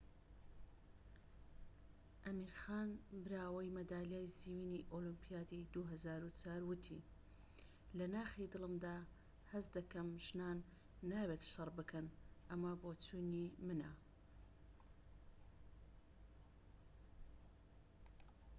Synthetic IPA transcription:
ʔɐmiːɾxaːnbɨɾaːwɐjmɐd̪aːlijaːjziwiːniʔolɨmpʰijaːd̪id̪uɦɐzaːɾut͡sʰaːɾwɨt̪ʰḭ | lɐnaːxid̪ɨlˠɨmd̪aː | hɐzd̪ɐkɐmʒnaːnː | aːbet̪ʃɨrˤbɨkʰɐnʔɐmaboːt͡sʰuːnimɨnɐ̰

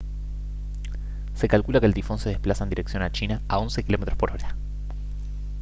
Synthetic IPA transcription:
se̞kalkulakelt̪ifo̞nse̞ðehplasaend̪iɾe̞ksjo̞nat͡ʃinaao̞nsekilo̞met̪ɾo̞spo̞ɾo̞ɾa

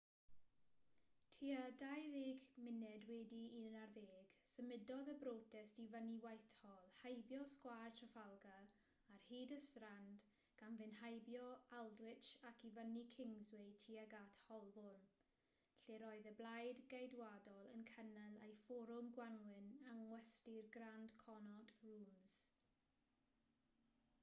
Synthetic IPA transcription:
tʰiadajðɪːɡmɪnɛdwɛdiːnarðeːɡ̥səmɪdɔðəbɾoːtʰɛstivəniwajtʰɔlˠhajbjɔskwartʰrəfalˠɡaː | rhiːdəstrand | ɡ̥anvɨnhajbjɔalˠdwɪt͡ʃakʰivənikʰɪŋzwɪtʰiːaɡatʰhɔlˠbʊn | ɬeɾɔɨðəblajdɡejdwadɔlˠənkʰənɛlḛjfɔɾʊmɡwanwɪnaŋwɛstɪrɡrand̥kʰɔnɔtruːmz̥

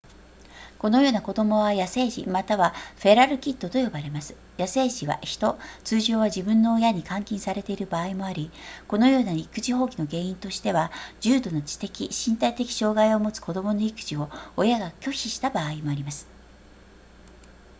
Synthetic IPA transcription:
ko̞no̞jo̞ːnako̞d̪o̞mo̞β̞ajase̞ːʑḭmat̪aβaɸe̞ɾaɾɯ̟kʲit̪ːo̞t̪o̞jo̞baɾe̞masɨ̥ | jase̞ːɕiβa̰çi̥t̪o̞t͡sɨːʑo̞ːβaʑibɯ̟̃nːo̞ːjaɲ̟ikãŋkʲĩɰsaɾe̞t̪e̞iɾɯ̟baːimo̞aɾʲiko̞no̞jo̞ːnaikɯ̟ʑiɦo̞ːkʲino̞ɡe̞ːĩnt̪o̞ɕi̥t̪e̞βad͡ʑɨːd̪o̞no̞t͡ɕi̥t̪e̞kʲiɕĩnt̪ait̪e̞kʲi̥ɕo̞ːɡaio̞mo̞t͡sɨ̥ko̞d̪o̞mo̞no̞ikɯ̥ʑio̞ːjaɡakʲo̞ɕiɕi̥t̪abaːimo̞aɾʲimasɨ̥

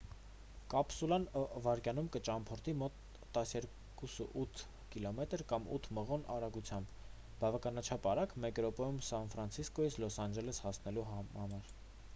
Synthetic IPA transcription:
kɑpsulɑnvɑɾkjɑnumkət͡ʃɑmpʰɔɾt̪ʰimɔt̪ː | ɑsjɛɾ | kusəʔut̪ʰ | kilɔmɛt̪əɾkɑmṵt̪ʰməʁɔnɑɾɑɡut͡sʰjɑmb | bɑvɑkɑnɑt͡ʃʰɑpɑɾɑkmɛɡɾɔpɛjumsɑnfɾɑnt͡sʰiskɔjit͡sʰlɔsɑnd͡ʒɛləshɑsnɛluɑmɑɾ

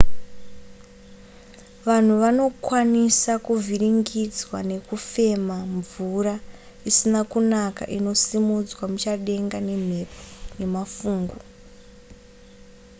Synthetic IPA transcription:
ʋan̤uʋano̞kwanisakuvʱiriŋɡid͡zwane̞kufe̞maɱvuɾa | isinakunaka̰ʔino̞simud͡zwamut͡ʃaɗe̞ŋɡane̞m̤e̞pʰone̞mafuːŋɡu

